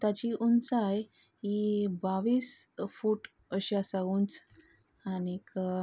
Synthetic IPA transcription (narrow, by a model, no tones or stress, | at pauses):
t̪at͡ɕiʔunt͡saj | ibaʋiːsfuːʈ | əɕasaɡuːnt͡s | anik